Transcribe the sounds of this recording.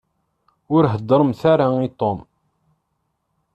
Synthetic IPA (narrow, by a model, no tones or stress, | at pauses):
ʊɾɦəd̪ːəɾˤəmθaɾait̪om